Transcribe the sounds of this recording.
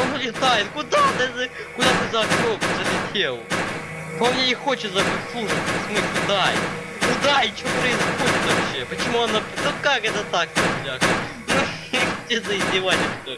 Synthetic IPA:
onʊlʲɪt̪ajɪt̪kʊd̪ad̪aʐɨ | kʊd̪at̪ɨzɐɐkʲopsɐsʲɪt̪ʲelˠ | komnʲeɪxo̞t͡ɕɪt̪sɐbɨtʲsˠuʐɨt̪smɨsʲlʲɪʊd̪aɪ | kʊd̪aɪt͡ɕɪopɾəɪzxodʲɪt̪vɐpɕepət͡ɕɪmuɐnanukakɛt̪ət̪ak̚t̪ɐlʲak | nu | t̪ʲezəɪzʲdʲɪvalʲɪʂt̪ʲo

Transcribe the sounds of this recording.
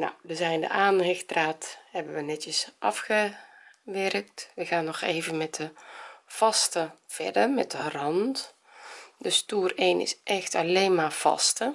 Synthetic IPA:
na̰wdəzɛjndə̰ʔaːnhɪxtraːthɛbənʋənɛtjəsʔɑfxəʋɛrk̚tʋəɣaːnːɔxeːvənmɛt̚dəv̥ɑstəv̥ɛ̰ɹdərmɛ̰t̚dərɑnt | dəstuːreːnʔɪ̰sʔɛxtaleːnmaːv̥ɑ̰stə

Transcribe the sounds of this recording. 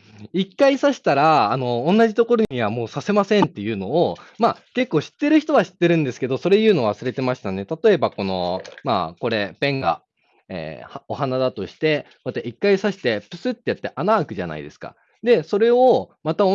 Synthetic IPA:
ikːaisaɕi̥t̪aɾaːnõ̞ːnːaʑit̪o̞ko̞ɾo̞ɲiβamo̞ːsase̞masẽ̞nt̪ːe̞jɯ̟ːno̞ːmake̞kːo̞ːɕi̥t̪ːe̞ɾɯ̟çi̥t̪o̞βaɕi̥t̪ːe̞ɾɯ̟̃nd̪e̞sɨ̥ke̞d̪o̞so̞ɾe̞ijɯ̟ːno̞βasɨɾe̞t̪e̞maɕi̥t̪ane̞t̪at̪o̞e̞bako̞no̞ma̰ːko̞ɾe̞pẽ̞ŋɡa̰ | ḛhaoɦanad̪at̪o̞ɕi̥t̪e̞ | βat̪ːaʔikːaisaɕi̥t̪e̞pɯ̟sɨt̪ːe̞jat̪ːe̞ʔanaːkɯ̟ʑa̰na̰ḭd̪e̞sɨ̥ka̰ | d̪e̞so̞ɾe̞omat̪ao

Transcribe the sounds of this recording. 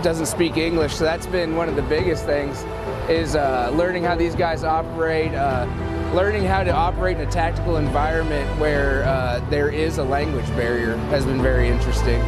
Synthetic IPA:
d̥ʌzn̩tspikɪ̃ŋɡlɨʃsoʊðætsb̥ɪ̃nwʌ̃nʌvðɨbɪɡɨst̪θɪ̃ŋz | ɪzʌlɜ̃˞nɪ̃ŋhaʊðizɡaɪzɑpə˞eɪt̚ʌ | lɜ̃˞nɪ̃ŋɦaʊɾɨɑpə˞eɪɾ̃nɨtʰæk̚tɨkl̩ˠɨ̃ɱvaɪɹɨ̃nmɨ̃nʔwə˞ʌ | ðə˞ɪzəlæ̃ŋɡwɨd͡ʒbɛɹiə˞ | ɨzbɨ̃nvɛɹiɪ̃nt͡ʃɹ̥ɨstɪ̃ŋ

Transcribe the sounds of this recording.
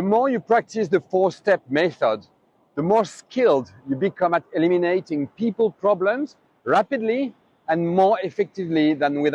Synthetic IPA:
ðəmɔɹjɨpɹ̥ak̚tɪsðəfɔɹstɛp̚mɛθəd̪ | ðəmɔɹskʰɪlˠd | jɨbikʰʌ̃mətɛlimineɪtɪ̃ŋpipəlˠpɹ̥ɑblə̃mz | ɹapɨdli | ɨ̃nmɔɹɛfɛk̚tɪvliðə̃nwɪð

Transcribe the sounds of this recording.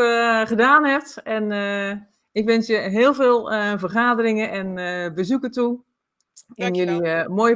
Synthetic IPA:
χədaːnhɛftɛn | ɪkʋɛnsjəɦɪːlˠveːlˠəvərχaːdərɪŋəʔɛnbəzukətu | ɪnjølimojə

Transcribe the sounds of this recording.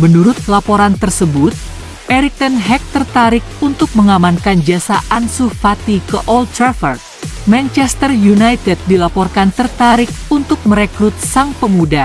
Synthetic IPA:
mənuɾʊt̪̚lapoɾant̪ərsəbʊt̪̚ | ʔɛɾik̚t̪ənɦɛk̚t̪ərt̪aɾɪk̚unt̪ʊk̚məŋamankand͡ʒasaʔansufat̪ikəʔɔlt̪ɾafərt̪̚mant͡ʃɛst̪ərjunajt̪ɛt̪̚dilapɔrkant̪ərt̪aɾɪk̚unt̪ʊk̚məɾekɾut̪̚saŋpəmuda

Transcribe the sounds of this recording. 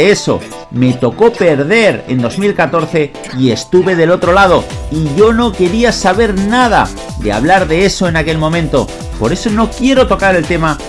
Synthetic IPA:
eeso̞̰ | me̞t̪o̞ko̞pe̞ɾðe̞ɾe̞̰nd̪o̞zmilkat̪o̞ɾθe̞ | ie̞st̪uβe̞ðe̞lot̪ɾo̞lað̞o̞iʝo̞no̞ke̞ɾiasaβ̞e̞ɾnað̞a̰ | d̪e̞̰a̰βlaɾðe̞eso̞e̞nake̞lmõ̞mẽ̞nt̪o̞ | po̞ɾe̞so̞no̞kje̞ɾo̞t̪o̞kaɾe̞lt̪e̞ma

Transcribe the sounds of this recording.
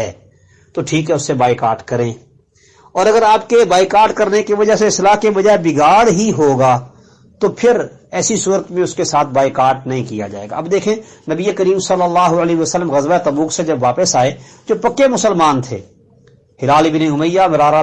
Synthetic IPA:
ɛː | t̪oʈʰiːkɦɛʊsːebaːikaːɾʈkɐɾẽː | ɔːɾɐɡəɾaːpkebaːikaːɾʈkɐɾnekiʋɐd͡ʒaɦseɪslaːɦkebɐd͡ʒaebɪɡaːɽɦiɦoːɡaː | t̪opʰɪɾ | ɛːsisuːɾət̪mẽʊskesaːt̪̚ʰbaːikaːɾʈnɐɦĩkija̰d͡ʒa̰ːḛɡa̰ɐbd̪eːkʰẽnɐbiekəɾiːmsɐlːəlːaːɦuəlɛːɦəsəlːəmɣɐzʋat̪ɐbuːksed͡ʒɐbʋaːpəsaːe | d͡ʒoːpɐkːemʊsəlmaːnt̪ʰḛː | hɪlaːlibɪniʊməjːamɪɾaːɾa

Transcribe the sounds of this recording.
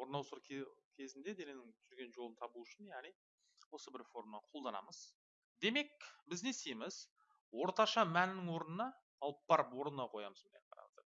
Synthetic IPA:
woɾnɑwsuɾʰkʲʰe̞zɪnd̪e̞d̪enenɪŋt̪ʰʏɾɡʲe̞nʒo̞lˠənt̪ʰɑbuʏʃɪnjæʁnij | wo̞səbɪɾfo̞ɾmnɑqʰo̞lˠd̪ɑnɑ̰məz̥ | d̪e̞me̞k̚bɪzne̞st̪ejmɪz | wo̞ɾt̪ɑʃɑmænɪŋwo̞ɾənənɑː | lˠəp̚b̥ɑɾəpwo̞ɾnənɑqʰo̞jɑməzbɪneqʰɑ̰ɾɑ̰d̪ə̰

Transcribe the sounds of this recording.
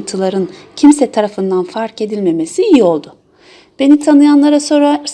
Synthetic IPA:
nt̪ʰɯlˠaɾɯncʰimsɛt̪ʰaɾafɯnd̪anfaɾce̞d̪ilʲme̞me̞siijio̞lˠd̪ʊ | b̥e̞nit̪ʰanɯjanlˠaɾaso̞ɾa

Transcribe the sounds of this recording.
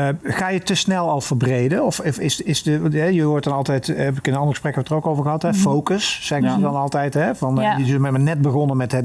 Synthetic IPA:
χaːjətəsnɛlˠɑlˠvəɹbrejdənɔfɪɪsɪsdəɦɛjəʋɔɹt̚dɑnɑlˠtɛjtɛpɪkɪnənɑndəɣəsprɛkɛbətərokowvəɹɣəɦɑtɦɛfowkəsːɛɣəzədɑnɑlˠtɛjtɦɛvɑnəɪsəmɛtmənɛt̚bəɣɔnəmɛtɦɛ

